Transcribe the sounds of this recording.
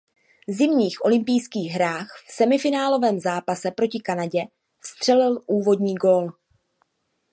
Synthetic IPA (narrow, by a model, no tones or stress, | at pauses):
zɪmɲiːxʔo̞lɪmpɪjskiːɣɦɾaːxfsɛmɪfɪnaːlo̞vɛːmzaːpasɛpɾo̞cɪkanaɟɛ | fst̪r̝̥ɛlɪlʔuːvo̞dɲiːɡo̞ːl